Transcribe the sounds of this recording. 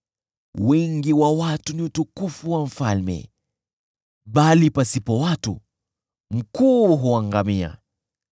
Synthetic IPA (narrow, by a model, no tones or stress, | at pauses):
wɛŋɡiwawatuniutukufuwam̩falmɛ̰ | ɓalipasipɔwatṵ | m̩kuːɦuaŋɡamia̰